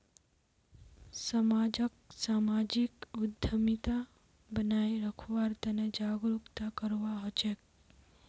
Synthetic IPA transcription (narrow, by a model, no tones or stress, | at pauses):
səmaːd͡ʒək̚saːmaːd͡ʒikʊd̪ʱːəmit̪a | bənaeɾəkʰʋaɾt̪əned͡ʒaːɡɾukt̪akəɾʋaɦɔt͡ʃek̚